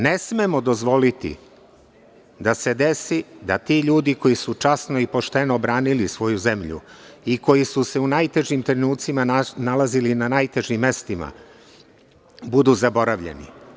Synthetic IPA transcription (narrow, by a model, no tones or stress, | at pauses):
ne̞smemo̞d̪o̞zʋo̞lit̪ḭ | d̪ase̞d̪e̞sid̪at̪iːʎuːd̪iko̞jisut͡ʃasno̞ipo̞ʃt̪e̞no̞bɾaːnilisʋo̞juze̞mʎṵiko̞jisuse̞unajt̪e̞ʒimt̪ɾenuːt̪simaanalazilinanajt̪e̞ʒimːe̞st̪ima̰ | bud̪uzabo̞ɾaʋʎḛnḭ